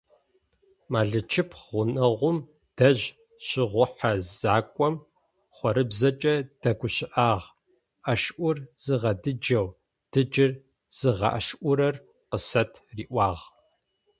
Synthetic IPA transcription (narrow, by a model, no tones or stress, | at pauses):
maːɮɨt͡ʃʰɪpʰʁʷʊnɐʁʷʊm | d̥ɐʑ | ɕɪʁʷʊħazzaːkʷʼɔm | χʷɔɾɨbzɐt͡ʃʼɐd̥ɐɡʷʊɕɪʔaːʁ | ʔɐʃʔʷʊrz̥ɨʁɐdɨd͡ʒɐw | d̥ɨd͡ʒɪr | z̥ɨʁɐ̰ʔɐʃʔʷʊɾɐr | qəsɐtʰriːʔʷɑːʁ